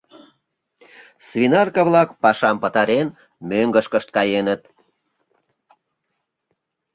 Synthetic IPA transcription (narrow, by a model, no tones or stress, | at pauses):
svinɑrkɑβlɑkpɑʃɑmpət̪ɑɾen | møŋɡəʃkəʃt̪̚kɑjenət̪̚